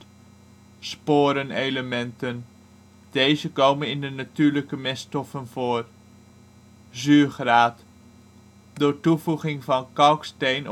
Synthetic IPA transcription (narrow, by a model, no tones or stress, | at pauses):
spoːɾənejləmɛntən | d̥ejzəkowmənɪndənatyːɹləkəmɛstɔfənvoːr | zyːχraːt | dʊːɹtuvuχɪŋvɑnkɑwkstejn